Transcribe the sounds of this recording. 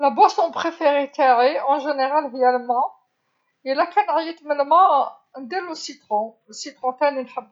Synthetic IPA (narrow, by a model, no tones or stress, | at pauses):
labwasɔ̃pχefeʁet̪æʕeɑ̃ʒeneʁalvijælmɑ̃ | əlakænʕjət̪məlmɑ̃ | d̪eləsit̪ʁɔ̃ | əsit̪ʁɔ̃t̪æninħəbː